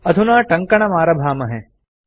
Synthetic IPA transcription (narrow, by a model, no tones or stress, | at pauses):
ɐd̪ʱunaːʈɐ̃ŋkɐɳɐmaːɾɐbʱaːmɐɦɛ